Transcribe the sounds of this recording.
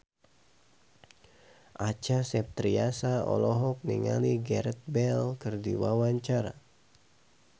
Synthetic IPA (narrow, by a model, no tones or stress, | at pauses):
ʔat͡ʃasɛp̚t̪ɾiasaɔ̰lɔɦɔk̚niŋa̰liɡɛɾɛt̪̚bɛlkɨrdḭwawaɲt͡ʃaɾa̰